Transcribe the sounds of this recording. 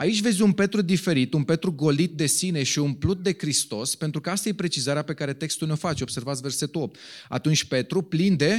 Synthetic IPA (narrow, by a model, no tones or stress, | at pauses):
ait͡ʃʲve̞zʲunpe̞t̪ɾud̪ife̞ɾit̪unpe̞t̪ɾuɡo̞lit̪̚d̪e̞sine̞ʃiunplut̪̚d̪e̞kɾist̪o̞spe̞nt̪ɾukəast̪aje̞pɾe̞t͡ʃizaɾeape̞kaɾe̞t̪e̞kst̪ulneo̞fat͡ʃo̞b̥se̞rvat̪sʲve̞rse̞t̪uo̞p̚t̪a̰t̪unt͡ʃʲpe̞t̪ɾuplind̪e̞